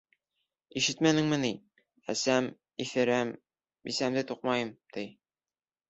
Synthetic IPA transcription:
iʃɘt̪mænɘ̆ŋmɘ̆ni | æ̰sæm | ifɘ̆ɾæm | bisæmd̪ɘt̪uq̚mɑjɤmt̪ij

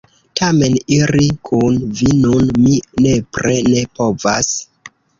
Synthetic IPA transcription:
tʰame̞niɾikʰunvinunmine̞pɾe̞ne̞po̞vas

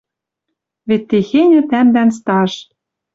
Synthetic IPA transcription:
βet̪ːexenʲɘ̆t̪æmd̪ænst̪ɑʃ

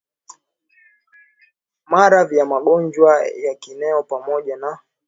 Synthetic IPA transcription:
maɾavjamaɠɔɲd͡ʒwajakinɛɔpamɔʄana

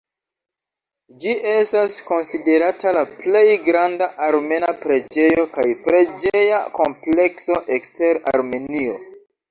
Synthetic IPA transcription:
d͡ʒiʔe̞stasko̞nside̞ɾatalaple̞jɡɾandaʔaɾme̞napɾe̞d͡ʒe̞jo̞kajpɾe̞d͡ʒeejako̞mple̞kso̞ʔekste̞ɾa̰ɾme̞nio̞̰

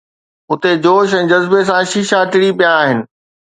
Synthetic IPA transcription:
ʊt̪ed͡ʑoːʃɛ̃ːd͡ʑɐzbes̬ãʃiːʃaːʈɪɽipijaːɦɪnɪ̆

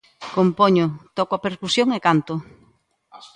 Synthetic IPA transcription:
kompoɲot̪ɔkoapeɾkusjoŋekant̪o

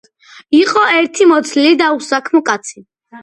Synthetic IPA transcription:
iqʼɔɛɾt̪ʰimɔt̪sʰlilid̪ausakʰmɔkʼat̪sʰi

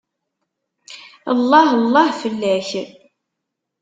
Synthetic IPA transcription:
ə̰lˤːɑhəlˤːɑhfəlːæç

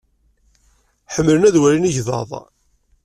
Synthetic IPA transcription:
ħəmːələnæðwæɾiniʝðɑ̰ðˤ

